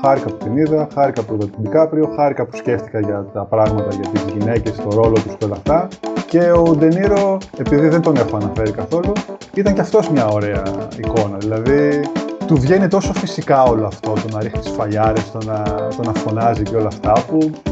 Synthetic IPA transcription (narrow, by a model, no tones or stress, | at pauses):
xɐɾikɐput̪iniðɐxɐɾikɐpuðɐt̪id̪ikɐpɾio̞xɐɾikɐpu̥sce̞ft̪i̥kɐʝɐt̪ɐpɾɐɣmɐt̪ɐʝɐt̪izʝine̞ce̞st̪o̞ɾo̞lo̞t̪usceo̞lɐft̪ɐce̞od̪e̞niɾo̞e̞piðiðe̞nt̪o̞ne̞xoɐnɐfe̞ɾikɐθo̞lu | it̪ɐɲceɐft̪o̞zmɲɐo̞ɾe̞ɐiko̞nɐðilɐðit̪uvʝe̞nit̪o̞so̞fisikɐo̞loɐft̪o̞t̪o̞nɐɾixit̪i̥sfɐʎɐɾest̪onɐt̪o̞nɐfo̞nɐziceo̞lɐːft̪ɐpu